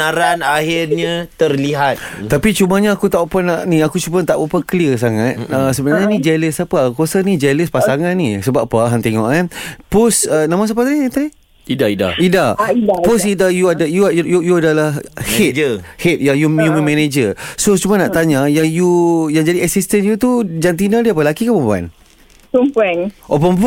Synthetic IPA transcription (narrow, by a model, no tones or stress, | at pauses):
aɾanaɦɪrɲat̪ərliɦat̪̚t̪apit͡ʃumaɲaːkut̪auʔpanaʔnĩakut͡ʃumat̪aʔbupakliəs̬aŋat̪̚əsəbənaɲanĩd͡ʒɛləsapakuasanid͡ʒɛləspasaŋanːisəbapːaɦant̪eŋɔ̰ʔkanpʊsənãmãs̬apat̪aɲt̪ani | idaida̰idaidapʊsidajuadajuajujujuadalahhɪhɪt̪̚jajujumimɛned͡ʒəsot͡ʃumãnaʔt̪aɲajajujaŋd͡ʒadiɛsist̪ənjut̪ud͡ʒant̪̬inadiap̬alakikəpəmpua̰n | pəmpuanʔopəmpu